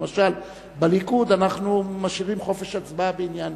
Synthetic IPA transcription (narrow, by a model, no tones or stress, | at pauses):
maʃal | balikud̪anaχnumaʃiʁimχo̞fe̞ʃat͡sbabeinjan